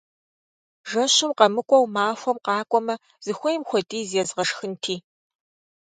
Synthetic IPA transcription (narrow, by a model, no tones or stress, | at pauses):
ʒɐɕɪmqɐmɨkʷʼɔwmaːxʷɔmqɑːkʷʼɔmɐ | z̥ɨxʷɔjmxʷɔtʼiːzjɛzʁɐʂxɨntʰiː